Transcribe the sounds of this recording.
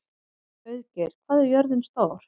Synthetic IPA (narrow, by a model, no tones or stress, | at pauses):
œɥðcɛɾ̥kʰvaːðɛɾjœɾðɪnst̪aːwɾ̥